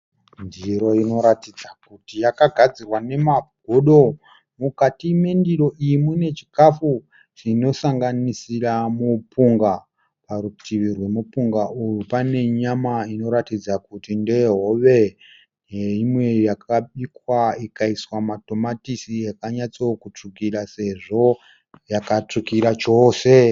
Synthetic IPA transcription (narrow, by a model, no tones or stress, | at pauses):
ndiiɾo̞ino̞ɾatid͡zakutijakaɡʱad͡zirwane̞mab̥̚ʱoɗo̞ | mukatimendiro̞ʔijimune̞t͡ʃi̥kafu | ʐ̥ino̞saŋɡanisiramupuŋɡa | paɾutʰiʋirwe̞mupuŋɡaujupane̞ɲamaino̞ɾatid͡zakutinde̞ɦo̞ʋe̞ | eimwe̞jakaɓikwaikaiswamato̞matisijakaɲat͡sokut͡ʂukiɾase̞ʐo̞ | jakat͡ʂukiɾat͡ʃo̞ːse̞